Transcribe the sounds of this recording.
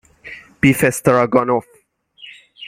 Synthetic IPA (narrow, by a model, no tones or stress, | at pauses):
b̥ifɛstəɹaɡɔ̃nɔf